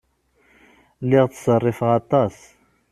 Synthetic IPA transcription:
lɪʁt͡ssərˤːɪfʁɑt̪ˤɑs

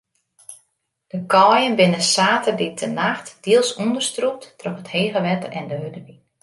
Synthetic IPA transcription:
d̥əkʰɔːjənbɪnəsaːtərdɪtʰənaxtd̥iəlˠsundərstrup̚ttrøxətheːɣəʋɛtəʔɛndəɦødəʋi

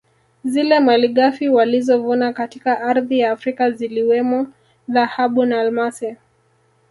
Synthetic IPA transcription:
zilɛmaliɠafiwalizɔvunakatikaʔaɾðijaːfɾikaziliwɛmɔ | ðahaɓunaːlmasɛ

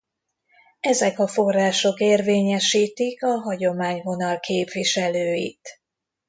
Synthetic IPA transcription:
ɛzɛkɒfo̞rːaːʃo̞keːrveːɲɛʃiːt̪ikɒɦɒɟo̞maːɲvo̞nɒlkʰeːpʋiʃɛløːjḭt̪

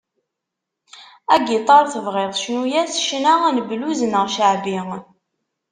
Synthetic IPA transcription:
æɡit̪ˤːɑɾˤθəvʁeðˤʃnujæsʃnaænəbluzənəʁʃəʕbi

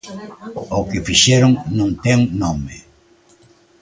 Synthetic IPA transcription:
ʊkɪfiʃɛɾʊŋnõŋt̪ɛŋnomɪ

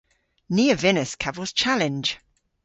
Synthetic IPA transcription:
niəvɛnəskʰavəlˠz̥t͡ʃʰalɪ̃nʒ̥

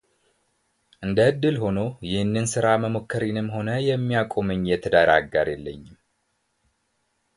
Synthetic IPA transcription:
ʔɨnd̪əɨd̪ːɨlho̞no̞jɪhɨnːɨnsɨɾaməmokːəɾinɨmːho̞nəjɛmːijakʼo̞mɨɲjɛt̪ʰəd̪aɾa̰ɡːaɾjɛlːəɲːɪm

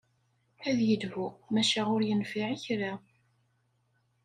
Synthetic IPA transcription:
æðjəd̪vumæʃæʁʊɾjənfiʕiçɾa

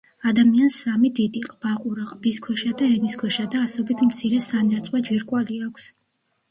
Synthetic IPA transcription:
ad̪amiansːamid̪id̪iqʼb̥aqʼuɾaqʼb̥iskʰwɛʃad̪aɛniskʰwɛʃad̪aːsɔbit̪ʰmt̪sʰiɾɛsanɛɾt̪sʼwad͡ʒiɾkʼwaliakʷʰs

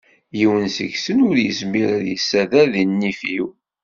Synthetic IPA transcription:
jiwənsə̰çsənʊɾjəsmiɾæðjəsːæðæðinːifjiw

